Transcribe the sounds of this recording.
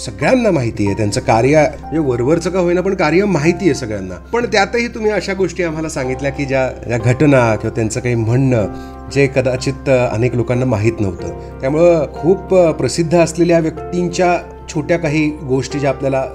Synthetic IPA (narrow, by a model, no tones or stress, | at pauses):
səɡɭjanːamaɦit̪iːjet̪jant͡səkaɾjə | d͡ʑeʋəɾʋəɾt͡səkaɦojnap̬əɳkaɾjəmaɦit̪iːjesəɡɭjanːa̰pəɳt̪jat̪əɦiːt̪um̤iːəɕaɡoʂʈiːam̤alasaŋɡit̪ljakiːd͡ʑjad͡ʑjaɡʱəʈnakĩʋat̪jant͡səkaɦiːm̤əɳnə | d͡zekəd̪at͡ɕiːt̪ə̰neklokanːamaɦiːt̪nəʋt̪ə̰ | t̪jamuɭekʰuːppɾəsid̪ʱːəəsleljaʋjəkt̪iɲt͡ɕja | t͡ɕʰoʈjakaɦiːɡoʂʈiːd͡ʑeapljala